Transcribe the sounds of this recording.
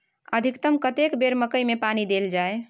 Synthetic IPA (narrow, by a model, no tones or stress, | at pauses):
əd̪ʱikt̪əmkət̪ekbeɾməkəjmepanid̪eld͡ʒae